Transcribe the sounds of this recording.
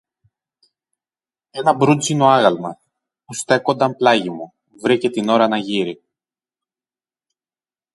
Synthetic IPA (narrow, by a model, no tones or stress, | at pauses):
e̞nɐbɾud͡zinoɐɣɐlmɐ̰ | pust̪e̞ko̞nd̪ɐmplɐʝimu | vɾicet̪ino̞ɾɐnɐʝiɾi